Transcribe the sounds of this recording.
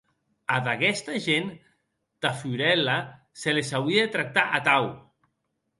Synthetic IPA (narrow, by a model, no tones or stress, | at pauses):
aðaɣɛst̪aʒen | t̪afuɾɛla | selesawɾiaet̪ɾak̚t̪aʔat̪aw